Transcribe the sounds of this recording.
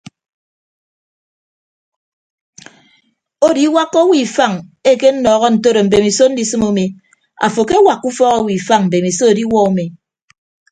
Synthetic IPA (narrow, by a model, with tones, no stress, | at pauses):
o˦di˦wa˦kːo˦wi˨fa˦˨ŋe˦ke˦n̩˦nɔː˨ɣɔ˦n̩˨to˦ɾo˨m̩˨be˨mi˨so˦n̩˦di˨sɨ˦mo˦me˨ | a̰˨fo˨ke˦wa˨kːu˦fɔ˦ɣo˦wi˨fa˦ŋm̩˨be˨mi˨so˦o˨di˦wɔ˦o˦me˨